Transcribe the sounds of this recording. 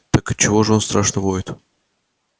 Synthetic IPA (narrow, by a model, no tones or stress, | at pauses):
t̪akɨt͡ɕɪvoʐɨo̞nst̪ɾaʂnəvojɪt̪